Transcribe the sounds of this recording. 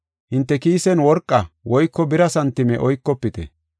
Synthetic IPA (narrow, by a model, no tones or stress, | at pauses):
hɪnt̪ːɛkiːsɛnwɔɾkʼːɐwɔjkːɔbɪɾɐsɐnt̪ːɪmɛ̰ʔɔjkːɔpːɪt̪ɛ̰